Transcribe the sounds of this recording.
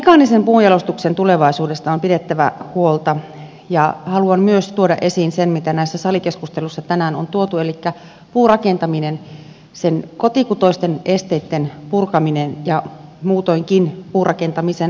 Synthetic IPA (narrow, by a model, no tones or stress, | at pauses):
ikɑnisempuːjɑlost̪uksent̪uleʋɑisuːdest̪ɑompidet̪ːæʋæ̰huolt̪ɑ | jɑhɑluɑmmyøst̪uodɑ̰ʔesiːnsenmit̪ænæisːæsɑlikeskust̪elusːɑt̪ænæːnont̪uot̪uelikːæ | puːrɑkent̪ɑminen | senkot̪ikut̪oist̪enest̪eit̪ːenpurkɑminenjɑmuːt̪ojŋkinpuːrʔɑkent̪ɑmisen